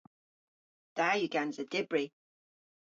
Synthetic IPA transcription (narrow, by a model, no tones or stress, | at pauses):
d̪̥ajuɡanzəd̥ɪbɹi